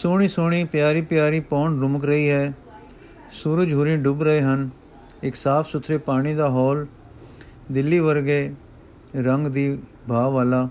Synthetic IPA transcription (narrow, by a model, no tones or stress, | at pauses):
soːɽ̃iːsoːɽ̃iːpjaːɾiːpjaːɾiːpɔːnɾʊməkɾəiːɦɛː | suɾəd͡ʒɦʊːɾĩːɖʊbɾəeːɦən | ɪksaːpʰsʊt̪ʰɾeːpaːɽ̃iːd̪aːɦɔːl | d̪ɪlːiːʋəɾɡeː | ɾəŋɡd̪iː | bʱaːʋaːlaː